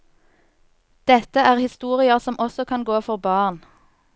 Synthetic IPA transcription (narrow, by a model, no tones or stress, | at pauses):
d̪̥ɛt̪əæːʁhɪst̪uːʁɪəʁsɔmʔɔsɔkʰɑnɡoːfɔʁbɑːʁn